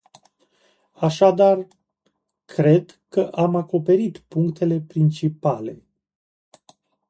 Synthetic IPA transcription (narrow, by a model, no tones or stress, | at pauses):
aʃad̪ar | kʰɾe̞d̪ | kəʔamako̞pe̞ɾit̪puŋkt̪ʰe̞le̞pɾint͡ʃipale̞̰